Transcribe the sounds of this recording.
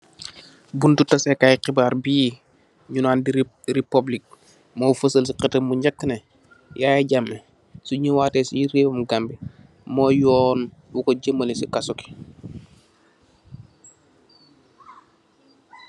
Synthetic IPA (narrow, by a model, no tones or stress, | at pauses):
buntutɐsɛkajiqibaːɾbi | ɲunaːndi | ɾipublik̚ | moːfəsəls̬iqitɐmbuɲakːəne | jaːjaɟamːe | suɲiwaːteːsijiɾeːbumɡambi | mɔːjɔːnwukoɟəmːəlesikasuki̥